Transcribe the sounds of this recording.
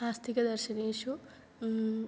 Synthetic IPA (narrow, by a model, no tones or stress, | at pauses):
aːst̪ikɐd̪ɐɾʃɐneːʃu